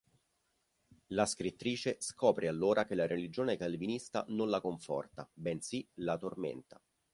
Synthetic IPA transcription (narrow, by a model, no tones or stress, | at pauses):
laskɾit̪ːɾiːt͡ʃeskɔːpɾealːoːɾʔak̟elaɾʔelid͡ʒoːnekalvinist̪a̰nonlakoɱfɔ̰rt̪abɛnsilat̪ormḛnt̪a